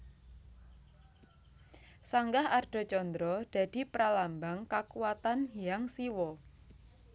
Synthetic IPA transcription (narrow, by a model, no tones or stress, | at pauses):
saŋɡahard̥ɔ̤t͡ʃɔnd̪ɾɔd̪̥ä̤d̪̥i̤pəɾalambaŋkakuwat̪anjaŋsiwɔ